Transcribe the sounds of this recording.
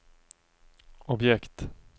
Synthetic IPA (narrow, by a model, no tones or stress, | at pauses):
ɔbjɛkt̪